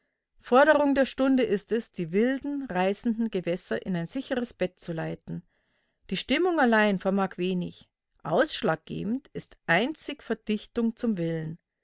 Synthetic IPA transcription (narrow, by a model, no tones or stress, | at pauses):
fɔɐɾəʁʊŋdeːɐʃtʊndəʔɪstɛsd̥iːvɪldn̩ʁaɪsn̩dn̩ɡəvɛsɐʔɪ̰naɪnzɪçəʁəsb̥ɛtt͡sulaɪtn̩ | d̥iːʃtɪmʊŋalaɪnfɛɐmaːkv̥eːnɪ̰ç | ʔaʊsʃlaːk̚ɡ̥ḛːbm̩tɪstʔaɪnt͡sɪçfɛɐd̥ɪçtʊŋt͡sʊmvɪlən